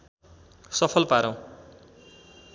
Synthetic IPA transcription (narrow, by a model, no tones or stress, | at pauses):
sʌpʰʌlpaɾʌ̃w̃